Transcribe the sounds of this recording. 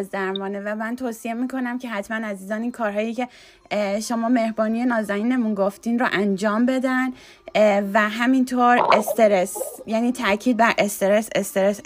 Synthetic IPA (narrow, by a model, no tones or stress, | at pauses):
zd̪æɾmɒːnevæmænt̪ʰoːsie̞miːkʰo̞næmcʰe̞ɦæt̪mænæziːzɒːniːnkʰɒːɾɦɒːjicʰe̞ | ʃomɒːme̞hbɒːnije̞nɒːzæniːne̞munɡoft̪iːnɾoʔænd͡ʒɒːmbe̞d̪æn | væɦæmint̪ʰoːɾest̪eɾesjæniːt̪ʰæcʰiːd̪̚bæɾʔe̞st̪e̞ɾesest̪eɾes